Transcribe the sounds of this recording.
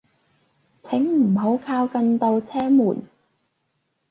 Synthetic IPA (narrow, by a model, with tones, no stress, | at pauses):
t͡sʰɪ˨˥ŋm̩˨˩ɦo˨˥wkʰaː˧wkɐ˧nt̪o˧wt͡sʰɛː˥muː˨˩n